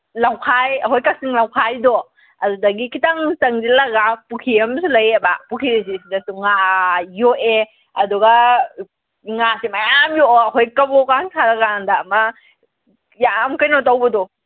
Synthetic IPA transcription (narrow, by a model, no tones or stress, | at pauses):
lawkʰajɐɦojkasiŋlawkʰajdɔ | ɐdudɐɡikʰitaŋtɐŋdilaɡapukʰiɐmsulɐjebapukʰiɾis̬isidɐsuŋajoe | ɐduɡa | ŋasimajamjoɐɦojkɐbɔkaŋsʰaɾaɡandaːmɐ | jamkɐjnɔtawbɐdɔ